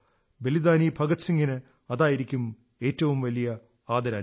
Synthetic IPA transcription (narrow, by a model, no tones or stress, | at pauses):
be̞lid̪aːniːbʱɐɡɐt̪siŋɡinɨ | ɐðaːjiɾikʲːum | e̞ːtːɐʋumʋɐlijɐ | aːd̪ʱɐɾaː